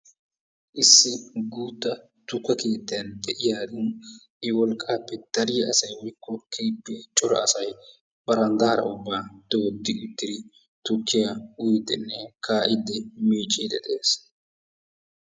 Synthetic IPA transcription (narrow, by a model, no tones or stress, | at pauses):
ʔɪsːɪɡuːt̪ːɐ | t̪ʊkːɐkeːt̪ːɪjɐnd̪ɛʔɪjaːd̪ɪn | ʔɪwɔlkʼːaːpːɛd̪̥ɐɾɪjɐsɐjmɪkːɔkʰeːpːet͡ʃʼɔɾɐ̰ɐsɐj | bɐɾɐnd̪ɐːɾɐ̰ʊbːaːd̪̥oːd̪ːɪʔʊt̪ːɪd̪ɪ | t̪ʊkːɪjɐʊjɪd̪ɛnːɛkʰaːʔɪd̪ːɛmiːt͡ʃʼːɪːd̪ɛd̪ɛeːs